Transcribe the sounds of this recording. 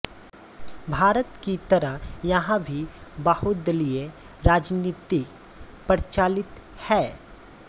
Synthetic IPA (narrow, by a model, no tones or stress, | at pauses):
bʱaːɾət̪kit̪ɐɾəɦjɐɦãbʱibɐhʊt̪̚d̪əlie | ɾaːd͡ʒniːt̪ɪk | pəɾt͡ʃaːlɪt̪ | hɛː